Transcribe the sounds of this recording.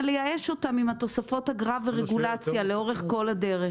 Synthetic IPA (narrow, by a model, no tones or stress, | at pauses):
lejaeʃo̞t̪amimhat̪o̞safo̞thaɡʁaveʁeɡulat͡sjale̞o̞ʁe̞χko̞ladeʁe